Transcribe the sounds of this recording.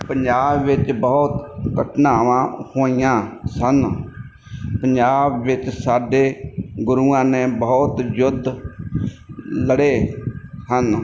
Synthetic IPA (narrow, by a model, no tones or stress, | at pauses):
pəɲd͡ʒaːbːɪt͡ʃbəʊt̪kəʈʰnaːʋãːhoːijãːsən | pəɲd͡ʒaːbːɪt͡ʃsaːɖeːɡʊɾuːãːnẽːbəːt̪d͡ʒʊd̪ʱ | ləɽeːhən